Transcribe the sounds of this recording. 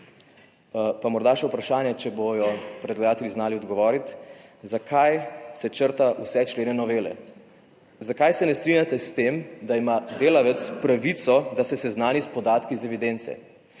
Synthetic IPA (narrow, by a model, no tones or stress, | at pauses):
pamɔɾd̪aʃɛupɾaʃaːnjɛt͡ʃɛbojɔpɾɛd̪lɛjaːt̪ɛlʲiznaːliɔd̪ɡɔʋɔːɾit̪zakʰajsɛt͡ʃəɾt̪aʔusɛt͡ʃleːnɛnɔʋeːlɛ̰ | zakajsɛnɛst̪ɾinʲjat̪ɛst̪emd̪aimad̪eːlaʋɛt̪spɾaʋit̪sɔd̪asɛsɛznaːnispɔd̪aːt̪kizɛʋid̪ent̪sɛ̰